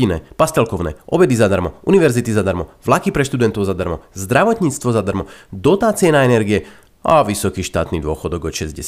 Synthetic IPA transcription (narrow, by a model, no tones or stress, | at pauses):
inɛ̰ːpast̪ɛlkɔʊnɛ̰ːʔɔbɛd̪izad̪aɾmɔʔuniʋɛɾzit̪izad̪aɾmɔʋlakipɾɛʃt̪ud̪ɛnt̪ɔʊzad̪aɾmɔzd̪ɾaʋɔt̪ɲiːt͡st̪ʋɔzad̪aɾmɔd̪ɔt̪aːt͡siɛnaɛnɛɾɡijɛ | a̰ʋisɔkiːʃt̪a̰ːt̪niːd̪ʊɔxɔd̪ɔɡɔt̪ʃɛzɟɛ̰